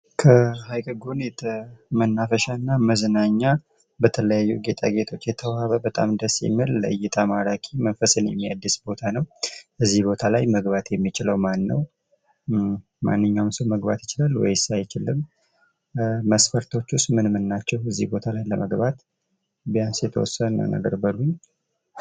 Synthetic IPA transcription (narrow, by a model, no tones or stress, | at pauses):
kʰəhajkʼɨɡunjɛt̪ʰəmənːafəʃanːaməznaɲːa | bət̪ʰələjajːuɡe̞t̪ʼa̰ɡe̞t̪ʰo̞t͡ʃːjɛt̪ʰəwaβəbət̪ʼamd̪əsːḭmɨlːə̰ʔɨjːɪt̪ʰamaɾakʼimənfəsɨnjɛ̰mːia̰d̪ːɨsbo̞t̪ʰanəwʔɨzːihbo̞t̪ʰalajməɡbat̪jɛmːit͡ʃɪləwmanːə̰w | ma̰nːɨɲːawnsəwməɡba̰t̪jɪt͡ʃɪlalːwɔ̰jsajɪt͡ʃɪlːɨm | məsfəɾt̪ʰo̞t͡ʃːust̪mɨnmɨnːat͡ʃːɛwɨzːḭhbo̞t̪ʰalajləməɡbat̪ | bijansjɛt̪ʰəwɔ̰sːənːa̰nə̰ɡə̰ɾbəluɲː